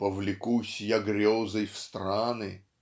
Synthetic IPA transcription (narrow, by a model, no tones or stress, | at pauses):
pəvlʲɪkusʲjaɡɾʲozəjfst̪ɾanɨ